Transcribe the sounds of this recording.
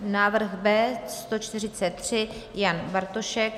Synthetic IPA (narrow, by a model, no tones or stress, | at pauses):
naːvr̩xbɛːst̪o̞t͡ʃt̪ɪr̝ɪt͡sɛt̪ːr̝̥ɪjanbaɾt̪oʃɛk̚